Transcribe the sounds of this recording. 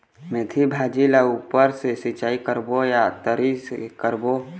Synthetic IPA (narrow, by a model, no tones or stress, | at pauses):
met̪ʰibʱaːd͡ʒilaupəɾsesɪt͡ʃaːikəɾbojat̪əɾiskəɾbo